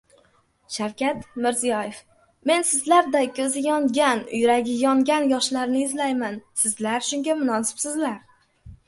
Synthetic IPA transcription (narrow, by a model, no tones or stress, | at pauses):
ʃawkʲat̪mɪɾzijɒjef | me̞nsɪzlaɾd̪ajkʲʰɵzɪjɒŋɡʲanʊ̰jɾaɡʲɪjɒŋɡʲanjɒʃlaɾnɪːzlajmansɪzlaɾʃʊŋɡʲamʊnɒsɪ̥bsɪzlaɾ